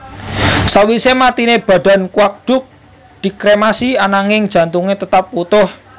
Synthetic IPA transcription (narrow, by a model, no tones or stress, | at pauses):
sawisemat̪ineb̥a̤ɖ̥a̤nkwak̚ɖ̥ʊ̤k̚ | d̪̥i̤kɾemasianaŋɪŋd̥ʒ̥ä̤nt̪uŋet̪ət̪ap̚wut̪ʊh